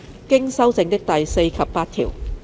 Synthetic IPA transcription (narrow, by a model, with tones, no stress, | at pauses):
kɪ˥ŋsɐ˥wt͡sɪ˧˥ŋt̪ɪ˥k̚t̪ɐ˨jse˧jkʰɐ˨pːaː˧t̚t̪ʰḭː˨˩w